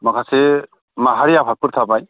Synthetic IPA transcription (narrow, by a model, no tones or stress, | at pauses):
makʰasi | maɦaɾijapʰak̚puɾt̪ʰabaj